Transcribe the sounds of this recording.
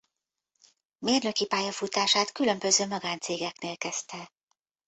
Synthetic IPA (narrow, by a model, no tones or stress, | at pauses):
meːrnø̞kipaːjɒfut̪aːʃaːt̪kylø̞mbø̞zøːmɒɡaːnt̪seːɡɛkneːlkɛst̪ɛ